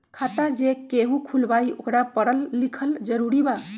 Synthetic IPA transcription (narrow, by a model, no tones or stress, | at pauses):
kʰat̪ad͡ʒekeɦũkʰulbaiokɾapəɽəlːikʰəld͡ʒəɾuɾiba